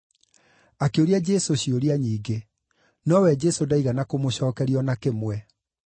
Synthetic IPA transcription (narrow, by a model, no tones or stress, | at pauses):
akeoɾiad͡ʑɛsoɕioɾiaɲiːɡe | nɔwɛd͡ʑɛsodaiɣanakomoɕɔːkɛɾiɔnakemwɛ